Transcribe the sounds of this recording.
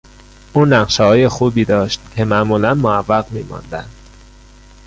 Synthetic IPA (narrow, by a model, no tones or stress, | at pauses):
ʔuːnæqʃehɒːje̞xuːbiːd̪ɒːʃt̪̚cʰe̞mæʔmuːlænmoævːæɢmiːmɒ̰nd̪æ̰nd̪̥